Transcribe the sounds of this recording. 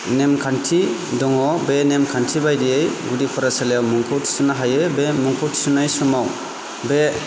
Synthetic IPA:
nemkʰantʰidɔŋɔbenemkʰantʰibajdiejɡudipʰɔɾasalejawmɔŋkʰɔwtʰi̥sunaɦajebemɔŋkʰɔwtʰi̥sunajsɔmaw | be

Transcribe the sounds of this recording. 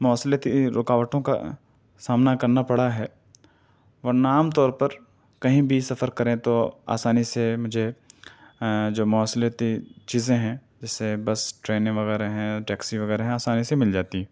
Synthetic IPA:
mʊaslət̪iɾʊkaːʋəʈõka̰ | saːmnakɐɾnapɐɽaɦɛː | ʋɐnaːmt̪ɔːɾpɐɾ | kɐɦĩbʱisɐfəɾkɐɾẽt̪oa̰ːsaːnisemʊd͡ʒʱe | d͡ʒoːmʊaslət̪it͡ʃiːzẽɦɛ̃ | d͡ʒɛsːebɐsʈɾeːnẽʋɐɣɛːɾaɦɛ̃ʈɛːksiʋɐɣɛːɾeɦɛ̃aːsaːnisemɪld͡ʒaːt̪iɦɛ̃ː

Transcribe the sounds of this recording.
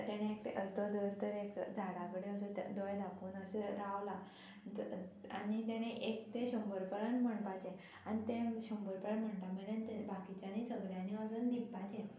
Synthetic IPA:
t̪aɽ̃ẽek̚ʈeʔəɾt̪od̪əɾt̪əɾekd͡zʱaɽakəɽeəs̬et̪d̪ojd̪apuːnəseɾaʋla | a̰ɽ̃it̪aɽ̃eʔekt̪ẽɕɔmbəɾpəɭənməɳpat͡ɕẽ | añit̪ẽɕombəɾpəɭənm̤əɳʈ̪aməd̪ənt̪ebakit͡ɕanisəɡljaniəsund̪ipːat͡ɕẽ

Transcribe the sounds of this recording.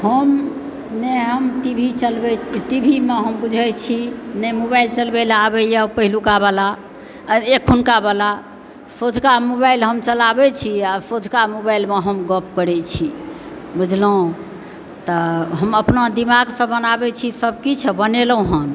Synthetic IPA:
həm | neɦəmt̪ibʱit͡ʃəlbɛt̪ibʱimeɦəmbud͡ʒʱɛt͡ʃʰinɛmobajlt͡ʃəlbelabɛjapəɦilukabala | ekʰunkabala | sod͡ʒʱkamobajlɦəmt͡ʃəlabɛt͡ʃʰiasod͡ʒʱkamobajlmeɦəmɡəp̚kəɾɛt͡ʃʰibud͡ʒʱlõ | t̪əɦəməpnad̪imaɡsə̃bənabɛt͡ʃʰisəb̚kit͡ʃʰɛbənelũɦən

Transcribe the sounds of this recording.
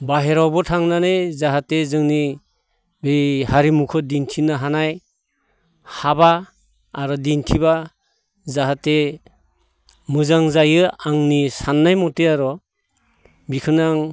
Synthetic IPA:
baɦeɾawbɔtʰaŋnanejzaɦatezɯŋni | behaɾimukʰɯdintʰinaɦanaj | habaː | ɾɔdintʰiba | zaɦate | mɯzaŋzajɯaŋnisanːajmɔteaɾɔ | bikʰɯnaŋ

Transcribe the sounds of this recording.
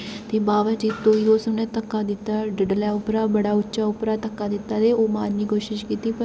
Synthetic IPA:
t̪eːbaːʋət͡ʃit̪oːiːɾoːsənẽːt̪əkːaːd̪ɪt̪ːaːɖɪɖlɛːʊpɾaːbəɽaːʊtːʃaːʊpɾaːt̪əkːaːd̪ɪt̪ːaːd̪eːoːmaːnːiːkoːʃɪʃkiːt̪iːpə

